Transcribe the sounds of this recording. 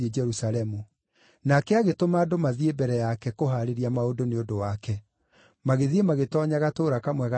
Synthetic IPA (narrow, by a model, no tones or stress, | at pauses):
ed͡ʒɛɾusalɛmu | nakɛaɣetomaːdomaðiebɛɾɛjakɛkoɦaɾeɾiamaodoneodowakɛ | maɣeðiemaɣetɔːɲaɣatoːɾakamwɛɣa